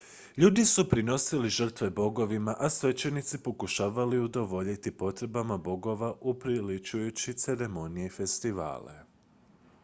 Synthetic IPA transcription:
ʎuːd̪isupɾino̞siliʒər̩t̪ʋe̞bo̞ɡo̞ʋimaʔasʋe̞t͡ɕe̞nit̪sipo̞kuʃaːʋaliud̪o̞ʋo̞ʎit̪ipo̞t̪ɾe̞bamabo̞ɡo̞ʋaʔupɾilit͡ʃujut͡ɕit̪se̞ɾe̞mo̞nijeife̞st̪iʋa̰ːlḛ

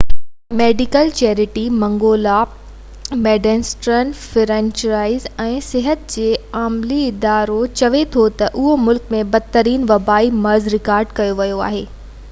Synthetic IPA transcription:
meːɖɪkəlt͡ɕɛːɾɪʈimɐ̃ŋɡoːla | meːɖɛ̃nsʈɾənfɪɾɛ̃ːnt͡ɕəɾaːɪzɛ̃ːsɪɦət̪d͡ʑeːaːmliɪd̪aːɾot͡ɕɐʋet̪ʰot̪ɐʔʊɦomʊlkmẽbɐd̪̚t̪ɐɾiːnʋɐbaːimɐɾzɾɪkaːɾɖkɐjoʋɐjoa̰ːɦeː

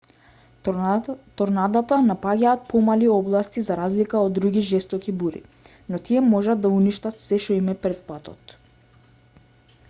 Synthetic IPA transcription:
t̪ɔɾnad̪at̪anapaɟaːt̪̚pɔmaliɔblˠast̪izaɾazlikaɔd̪ːɾuɡiʒɛst̪ɔkibuɾḭ | nɔt̪iɛmɔʒad̪ːauniʃt̪at̪sɛʃɔimɛpɾɛt̪̚pat̪ɔ̰t̪

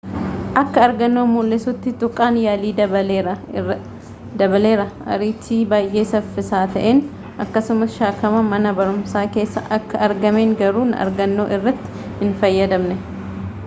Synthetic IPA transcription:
ʔɐkːɐːɾɡɐnːoːmulːɪsʊt̪ːɪt̪ʊkʼːaːnjaːliːd̪ɐbɐeɐ | d̪ɐbɐle̞ːɾɐʔɐ̰ɾiːt͡ʃːiːbaːjʔe̞ːsɐfːɪsaːt̪ɐʔeːn | ʔɐkːɐsʊmɐsʃaːkɐmɐmɐnɐbɐɾʊmsaːke̞ːsːɐ̰ʔɐkːɐɐɾɡɐmeːŋɡɐɾuːnɐ̰ɾɡɐnːo̞̰ːʔɪrːɐt̪ːɪ̥ | hɪnfɐjːɐd̪ɐmnɛ

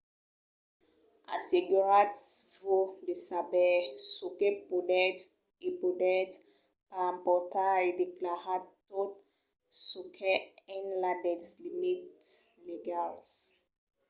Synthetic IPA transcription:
ʔa̰siɡuɹatsvodisabɛsukepudɛt | ipudɛt | pampɔtaidiklahatot | sukʰɛɛ̃nladɛslimitleɡals

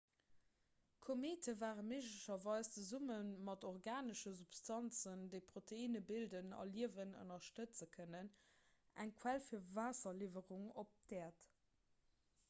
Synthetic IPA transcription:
kʰomeːtʰəvaːʁənmeːʒləʃɐvɑɪst͡səzumənmɑtoʁɡaːnəʃəzupstʰɑnt͡səndəɪpʁ̥otʰeiːnəbildənɑ̰liəvənə̰nɐʃtət͡səkʰənən | æ̰ŋkʰwælfiːɐvaːsɐlivəʁuŋop̚d̥ɛːɐt

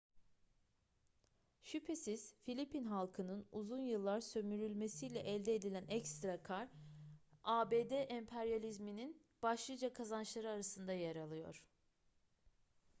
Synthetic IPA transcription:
ʃypʰe̞siz̥filʲipinɦalˠkʰɯnɯnuzunjɯlˠːaɾsø̞myɾylʲme̞sijlʲɛʔɛlʲd̪eed̪ilʲænɛkst̪ɾakʰaɾ | aːbeːd̪ɛʔɛmpʰɛɾjalʲizminin | b̥aʃlˠɯd͡ʒakʰazanʃlˠaɾɯaɾasɯnd̪ajaɾalˠɯjo̞̰ɾ̥

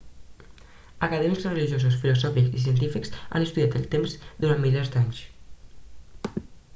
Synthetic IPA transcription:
əkəðɛmikzrəliʒiozus̬filuzɔfikzis̬iənt̪̬ifiksa̰nəst̪uðjat̪əlˠt̪emzd̪uɾanmilazd̪aɲs

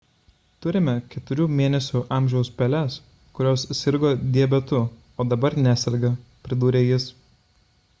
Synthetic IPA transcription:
t̪ʊɾʲɪmʲɛkʲɛt̪ʊɾʲuːmʲeːnʲɛsʲuːʔɑːˑmʲʒʲɛʊspʲɛlʲɛs | kʊɾʲoːssʲɪɾɡoːd̪ʲiɛbʲɛt̪ʊ | oːd̪ɐbɐɾnʲæsʲɛɾʲɡɐpʲɾʲɪd̪uːɾʲeːjɪs

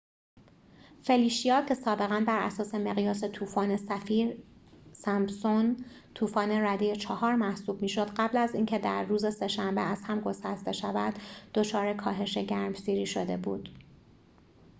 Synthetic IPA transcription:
fe̞liːʃijɒːcʰe̞sɒːbe̞ɣænbæɾʔæ̰sɒːse̞me̞ɣijɒːse̞t̪ʰuːfɒːne̞sæfiːɾsæmsont̪ʰuːfɒːne̞ɾæd̪ejet͡ʃʰɒhɒːɾmæhsuːb̚miːʃo̞d̪̥ɢæblæziːncʰe̞d̪æɾːuːze̞se̞ʃæmbeæz̥hæmɡo̞st̪æst̪e̞ʃævæd̪̥ːo̞t͡ʃʰɒːɾe̞kʰɒːɦe̞ʃe̞ɟæɾmsiːɾiːʃod̪e̞̰bṵːd̪̥

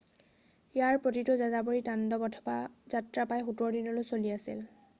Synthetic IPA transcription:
jaɹpɹotitʊzazaboɹitandɔbɔtʰɔ̥baz̥atɹapajxutɔɹdinɔlojsoliasḭl

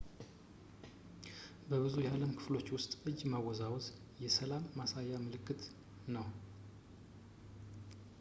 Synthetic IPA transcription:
bəβɨzujɛaləmkʰɨ̥flo̞t͡ʃːwʊst̪ʼɨd͡ʒmawɔzawz | jɛsəlamːasajːamɨlɨkːɨt̪ | nəw

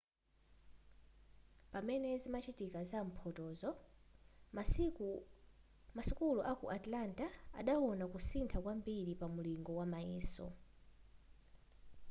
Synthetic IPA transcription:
pamɛnɛzimat͡ʃitikazam̩pʰɔtɔzɔ | masukuluʔakṵʔatlanta̰ːɗawɔnakusintʰakwambiɾipamuliŋɡɔwamajɛːsɔ̰

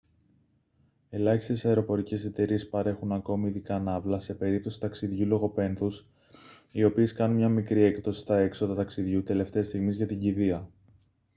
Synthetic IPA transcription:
e̞lɐçist̪e̞sɐe̞ɾo̞po̞ɾice̞se̞t̪e̞ɾie̞spɐɾe̞xunɐko̞miːðikɐnɐvlɐse̞pe̞ɾip̚t̪o̞si̥t̪ɐksiðʝulo̞ɣo̞pe̞nθus | io̞pie̞skɐnunmɲɐmikɾie̞kt̪o̞si̥t̪ɐe̞kso̞ðɐt̪ɐksiðʝut̪e̞le̞ft̪e̞st̪iɣmizʝɐt̪iɟiðiɐ

